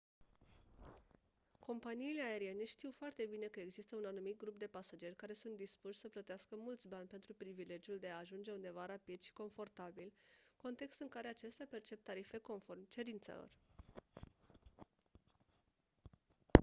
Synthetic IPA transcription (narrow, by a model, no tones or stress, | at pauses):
kʰo̞mpaniːle̞ae̞ɾie̞ne̞ʃt̪iwfoart̪e̞bine̞kəe̞ɡzist̪əunanumit̪̚ɡɾup̚d̪e̞pasad͡ʒe̞rʲkaɾe̞sunt̪̚d̪ispuʃʲsəplət̪easkəmult̪sʲbanʲpe̞nt̪ɾupɾivile̞d͡ʒjuld̪e̞aːʒund͡ʒe̞und̪e̞vaɾapid̪ʃi̥ko̞ɱfo̞rt̪abilko̞nt̪e̞kst̪ɨŋkaɾe̞at͡ʃe̞st̪eape̞rt͡ʃe̞p̚t̪aɾife̞ko̞nfo̞rmt͡ʃe̞ɾint̪sḛlo̞̰r